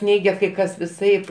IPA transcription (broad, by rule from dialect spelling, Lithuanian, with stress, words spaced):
ˈnʲɛɪɡʲɛ kɐɪ ˈkɐs ʋʲɪˈsɐɪp